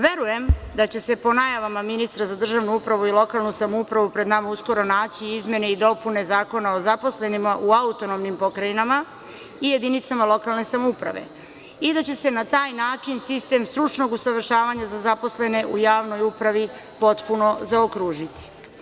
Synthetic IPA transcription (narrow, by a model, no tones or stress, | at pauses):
ʋe̞ɾuje̞md̪at͡ɕe̞se̞po̞najaʋamaminist̪ɾazad̪r̩ʒaʋnuupɾaʋuilo̞kalˠnusamoupɾaʋupɾe̞d̪namausko̞ɾo̞naːt͡ɕiizmje̞neid̪o̞pune̞zaːko̞nao̞zapo̞sle̞nimaʔuaut̪o̞no̞mnimpo̞kɾajinama | ije̞d̪init̪samalˠo̞kalne̞samoupɾa̰ʋe̞̰ | id̪at͡ɕe̞se̞nat̪aːjnaːt͡ʃinsist̪e̞ːmst̪ɾut͡ʃno̞ɡusaʋr̩ʃaːʋaɲazazapo̞sle̞ne̞ʔujaːʋno̞jupɾaʋi | po̞t̪puno̞zaokɾuːʒit̪i̥